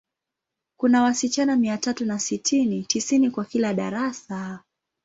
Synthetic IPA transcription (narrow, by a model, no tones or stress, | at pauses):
kunawasit͡ʃanamiatatunasitʰinitisinikwakilaɗa̰ɾasa